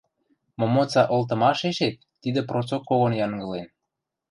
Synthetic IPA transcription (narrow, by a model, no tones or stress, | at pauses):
mŏmot͡sɑʔolt̪̬ɤ̆mɑʃeʃet̪̚ːid̪ə̆prot͡sokːoɣonjɑŋɡɤ̆len